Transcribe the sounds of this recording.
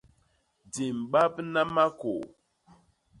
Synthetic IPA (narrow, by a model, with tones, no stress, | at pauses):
di˨m˨ɓa˦pna˦ma˦ko˨